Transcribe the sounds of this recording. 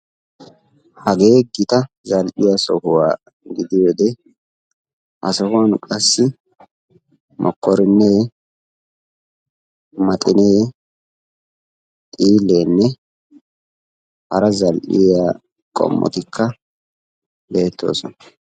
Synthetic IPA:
hɐɡe̞ːɡɪt̪ɐ | zɐlʔɪjasɔhʊwaː | ɡɪd̪ɪjod̪ɛ | ʔɐsɔhʊɐnkʼɐsːɪ | mʔɔ̰kʰːɔɾɪnːɛ | mɐt̪ʼɪneː | t̪ʼiːlːeːnːɛ | hɐ̰ɾɐzɐlʔɪ̰jaː | kʼɔ̰mːʔɔ̰t̪ɪkʰːɐ | be̞ːt̪ʰːo̞̰ːsɔnɐ

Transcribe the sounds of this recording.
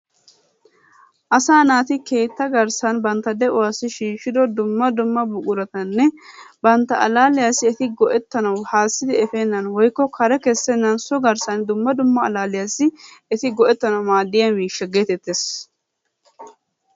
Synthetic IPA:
ʔɐsaːnaːt̪ɪke̞ːt̪ːɐɡɐɾsɐnbɐnt̪ːɐd̪ɛʔʊwaːsːɪʃiːʃɪd̪ɔd̪ʊmːɐd̪ʊmːɐbʊkʼʊɾɐt̪ɐnːɛbɐnt̪ːɐɐlaːlɪjaːsɪɛt̪ɪɡɔʔɛt̪ːɐnɐwhaːsːɪd̪ɪɛfeːnːɐnwɔjkːɔkʰɐɾɛkɛsːɛnːɐnsɔɡɐɾsɐnd̪ʊmːɐd̪ʊmːɐ̰ːlaːlɪjasɪɛt̪ɪɡɔʔɛt̪ːɐnɐwmaːd̪ːɪjɐnmiːʃːɛɡe̞ːt̪ɛt̪ːes

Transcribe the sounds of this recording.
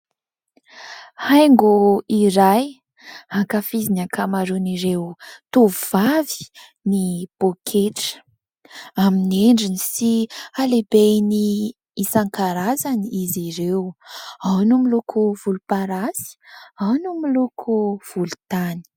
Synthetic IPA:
hajŋɡuiɾaj | haŋkafizinakʰamaɾuniɾewt̪uvuvavi̥ | nib̥okʰeʈ͡ʂə̥ | amineɳɖ͡ʐinisialebejni | isaŋkaɾazaniziɾewawnumilukʰuv̥ulupaɾasi̥awnumilukʰuv̥ulut̪ani̥

